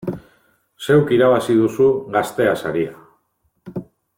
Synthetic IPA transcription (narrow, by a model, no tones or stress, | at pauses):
se̞wkiɾaβ̞asið̞usuɡast̪e̞asa̰ɾia